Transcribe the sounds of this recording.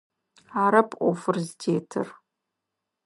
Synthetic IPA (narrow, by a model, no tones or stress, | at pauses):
aɾɨpʰʼʷofɨrzdeːtʰɨ̰r